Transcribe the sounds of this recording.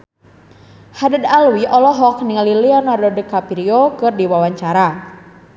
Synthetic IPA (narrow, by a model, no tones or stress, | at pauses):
hadədalwiʔɔlɔɦɔk̚niŋaliliɔnardɔdikapiɾiokɨrdiwawaɲt͡ʃaɾa